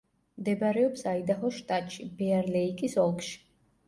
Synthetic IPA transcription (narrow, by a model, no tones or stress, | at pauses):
md̪ɛbɾɛɔpsaid̪aχɔʃt̪ʼat̪ʼʃibɛaɾlɛikʼisɔlˠkʼʃi̥